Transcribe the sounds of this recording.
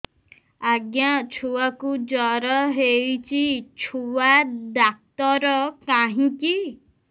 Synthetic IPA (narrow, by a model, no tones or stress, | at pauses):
aɡjat͡ʃʰuwakud͡ʒɔɾɔɦejt͡ʃʰit͡ʃʰuwad̪ak̚t̪ɔɾɔkaɦĩki